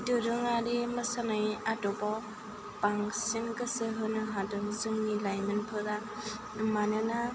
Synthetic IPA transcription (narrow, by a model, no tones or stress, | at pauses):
dɯɾɯŋaɾiməsanajatɔpɔ | paŋsinkɯsɯɦɯnɯɦadɯŋzɯŋnilajmɯnpʰɯɾa | manɯna